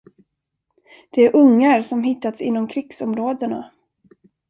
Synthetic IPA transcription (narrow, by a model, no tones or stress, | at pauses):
d̪̥ɛæɾʔɵŋːaɾsɔmɦɪt̪ːat̪sɪnːɔmkʰɾɪɡsɔmɾoːd̪əna̰